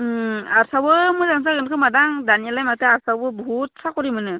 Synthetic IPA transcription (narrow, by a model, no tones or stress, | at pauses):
aɾsawɯmɯzaŋs̬aɡɯnkʰɯmadaŋdanialajmatɯaɾsawbɯbɔɦut̚sakɔɾimɯnɯ